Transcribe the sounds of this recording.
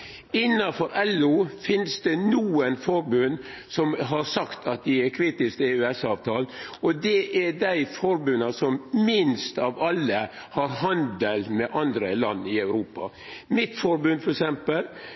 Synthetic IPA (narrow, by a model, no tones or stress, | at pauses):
ɪnːɑfɔɾʔɛlʊfɪnsd̪ɛnuːənfɔɾbʉn | sɔmɦɑɾsɑkt̪ʰɑt̪̚d̪ɪɛkʰɾiːt̪ɪskt̪ɛʉɛsɑːʋt̪ʰɑːlnɔd̪ɛʔɛɾɖæɪfɔɾbʉnɑsɔmmɪnst̪ɑʋɑlːə | hɑɾɦɑnd̪əlmɛʔɑnd̪ɾəlɑnːɪɑʉɾuːpɑ̰ | mɪt̪fɔɾbʉnd̪fɔɾɛksɛmpəl